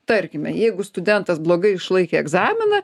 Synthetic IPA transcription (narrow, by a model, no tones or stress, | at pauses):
t̪ɐɾʲkʲɪmʲɛjɛɪɡʊst̪ʊd̪ʲɛnt̪ɐsblˠoːɡɐɪɪʃlˠɐɪkʲeɛɡzɑːmʲɪnɐ